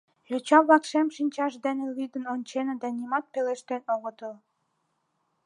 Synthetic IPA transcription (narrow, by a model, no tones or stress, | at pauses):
jot͡ɕɑβlɑkʃemʃinʲt͡ɕɑʃd̪enelid̪ənonʲt͡ɕenɤd̪ænimɑt̪̚peleʃt̪enoɣŏt̪əl